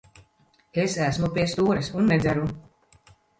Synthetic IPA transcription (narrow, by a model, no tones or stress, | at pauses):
esæsmupʲiɛst̪uːɾɨsunːezæɾu